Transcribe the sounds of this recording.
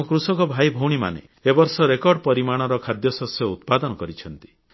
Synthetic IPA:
ũkɾusɔkɔbʱajbʱowɽ̃ima̰nḛ | ebɔɾsɔɾekɔɾɖpɔɾimaɽ̃ɔɾɔkʰad̪jɔsɔsjɔut̪̚pad̪ɔnɔkɔɾit͡ʃʰɔnt̪i̥

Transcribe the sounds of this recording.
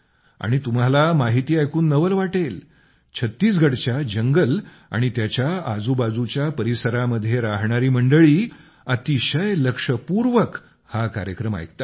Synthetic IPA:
a̰ɽ̃it̪um̤alamaɦit̪iːajkʰuːnːəʋəlʋaʈel | t͡ɕʰət̪ːiːsɡʱəɽt͡ɕjad͡ʑəŋɡəl | a̰ɽ̃it̪jat͡ɕjaad͡zubad͡zut͡ɕjapəɾisəɾaməd̪ʱːjeɾaɦɳ̃aɾiːm̤əɳɖəɭiː | ət̪iɕəjləkʂəpuɾʋək | hakaɾjəkɾəma̰jkt̪a

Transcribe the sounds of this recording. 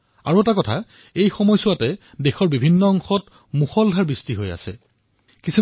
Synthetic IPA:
a̰ɹuɛtakɔtʰa | ejxɔmɔjsʊwatɛ | dexɔɹbibʱinːɔɔŋxɔt | muxɔldʱaɹbistiɦoja̰sɛ̰ | kisi

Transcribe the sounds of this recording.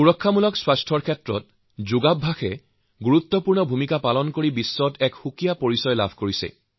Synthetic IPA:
uɹɔkʰːamulɔkswastʰɔɹkʰɛtɹɔ̰t̚ | zuɡabʱaxɛ | ɡuɹut̪ːɔpuɹnɔbʱumikapalɔnkoɹibisːɔtɛkxukijapoɹisɔjla̰bʱkoɹisɛ̰

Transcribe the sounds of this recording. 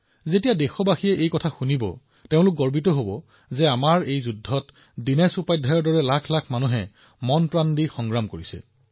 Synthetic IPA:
zetijadexɔbaxijɛʔejkɔtʰaxunibɔ̰ | teʊ̃lʊk̚ɡɔɹbitɔɦobɔ | zɛamaɹejzudʱːɔt | dinɛsupajdʱajɔɹdɔɹɛlakʰlakʰmanuɦɛ | mɔnpɹandixɔŋɡɹamkoɹisɛ̰

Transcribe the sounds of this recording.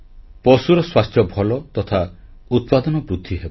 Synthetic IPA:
pɔsuɾɔswast̪jɔbʱɔlɔt̪ɔt̪ʰa | ut̪̚pad̪ɔnɔbɾud̪ʱːiɦebɔ

